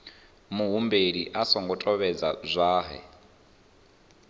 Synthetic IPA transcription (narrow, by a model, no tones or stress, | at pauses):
muɦumbeɺiʔasɔŋɡɔtʼɔβɛd͡za̰zʷaːɦɛ̰